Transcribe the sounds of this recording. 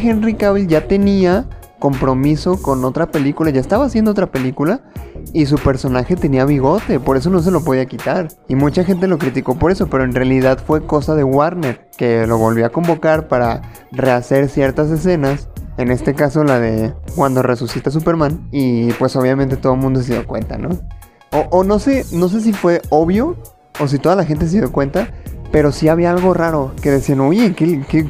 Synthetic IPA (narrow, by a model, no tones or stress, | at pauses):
xe̞nrikaβilʝat̪e̞nia | ko̞mpɾo̞miso̞ko̞no̞t̪ɾape̞likulaʝaest̪aβaːsjend̪oot̪ɾape̞likulais̬upe̞ɾso̞naxe̞t̪e̞niaβiɣo̞t̪e̞po̞ɾe̞s̬o̞no̞s̬e̞lo̞p̬o̞ð̞iakit̪aɾ | imut͡ʃaxe̞nt̪̬e̞lo̞kɾit̪iko̞po̞ɾe̞so̞pe̞ɾo̞e̞nrealiðaðfwe̞ko̞saðe̞waɾne̞ɾ | ke̞lo̞βo̞lβjoako̞mbo̞kaɾpaɾa | re̞ase̞ɾsje̞ɾt̪as̬e̞s̬e̞nase̞ne̞st̪e̞kaso̞laðe̞̰kwand̪o̞re̞susit̪as̬upe̞ɾmãnipwe̞so̞β̞jamẽnt̪e̞t̪o̞ð̞omũnd̪o̞s̬e̞ðjo̞kwe̞̰nt̪a̰no̞ | oʔono̞se̞no̞s̬e̞s̬ifwe̞oβjo̞ː | s̬it̪o̞ðalaxe̞nt̪̬es̬e̞ðjokwe̞nt̪ape̞ɾo̞siaβiaalɣo̞raɾo̞ke̞ðe̞sianoʝe̞keke